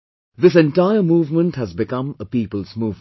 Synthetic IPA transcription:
ðɪs̬ɛ̃nʈaɪəmuːvmə̃nʈhæzbɪkʌ̃məpiːpəlˠzmuːv

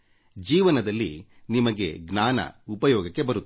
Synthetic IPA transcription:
d͡ʒiːʋɐnɐd̪ɐlːi | nimɐɡe̞̰ɡnaːnɐ̰upɐjɔːɡɐkːe̞bɐɾut̪ː

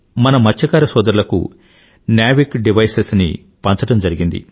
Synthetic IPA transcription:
mɐnɐmɐt͡ʃʰːɐkaːɾɐsɔːd̪ɐɾulɐkṵ | njaːʋikɖiʋɐjsesnḭ | pɐnt͡ʃɐʈɐmd͡ʒɐɾiɡind̪ḭ

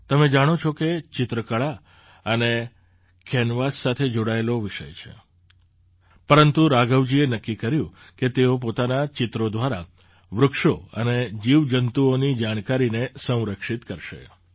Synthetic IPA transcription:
t̪əmed͡ʒaɽ̃ot͡ʃʰɔket͡ʃɪt̪ɾəkəɭa | əne | kʰɛnʋasːat̪ʰed͡ʒoɽaeloʋɪʃə̰jt͡ʃʰḛ | pəɾənt̪uɾaɡəʋd͡ʒienəkːikəɾjũ | ket̪eop̬ot̪anat͡ʃɪt̪ɾod̪ʋaɾa | ʋɾʊkʃoəned͡ʒiʋd͡ʒənt̪uonid͡ʒaɽ̃kaɾinesə̃w̃ɾəkʃit̪kəɾʃḛ

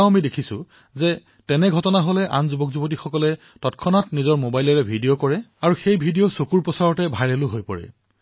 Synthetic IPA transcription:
amidekʰisʊ̰ | zɛ | tɛnɛɡʱɔtɔnaɦolɛʔa̰nzubɔkzubot̬ixɔkɔlɛ | tɔtkʰɔnatnizɔɹmobajlɔɹɛbʱidijokɔɹɛaɹuxejbʱidijosokuɹpɔsaɹɔtɛbʱaɹelʊɦojpɔɹɛ̰

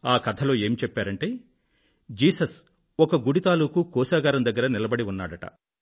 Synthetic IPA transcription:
aːkɐt̪ʰɐlo̞ːe̞ːmit͡ʃɛpːaːɾɐɳʈe̞ː | d͡ʒiːsɐs | ɔkɐɡuɽit̪aːluːkukɔːsaːɡaːɾɐmd̪ɐɡːɐɾɐnilɐbɐɽiunːaːɽɐʈɐ̰

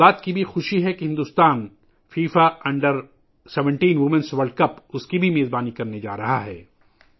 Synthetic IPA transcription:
aːt̪kibʱixʊʃiɦɛkiɦɪ̃nd̪uːst̪aːn | fiːfaɐ̃ɳɖəɾ | sɛʋə̃ɳʈiːnʋʊmə̃nsʋɐɾɖ̚kɐpʊskibʱimeːzbaːnikɐɾned͡ʒa̰ːɾɐɦaɦɛ̰ː

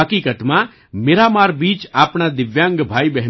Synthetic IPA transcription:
əkiːkət̪mã | meːɾamaːɾbiːt͡ʃaːpɳad̪ɪʋjãːŋɡbʱaːibɛɦ

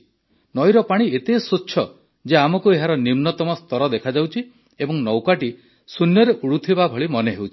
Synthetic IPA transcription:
nɔjɾɔpaɽ̃iet̪esotːʃʰɔ | d͡ʒeamɔkueɦaɾɔnimnɔt̪ɔmɔst̪ɔɾɔd̪ekʰad͡ʒawt͡ʃʰi | ebɔŋnɔwkaʈi | sunjɔɾeʔuɽut̪ʰibabʱɔɭimɔneɦewt͡ʃʰii̥

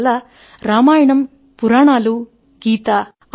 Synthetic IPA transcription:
lɐ | ɾaːmaːjɐɳɐm | puɾaːɳaːlu | ɡiːt̪ɐ

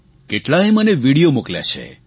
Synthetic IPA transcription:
keʈlaɦeməneʋiɽijomuklja̰t͡ʃʰḛ

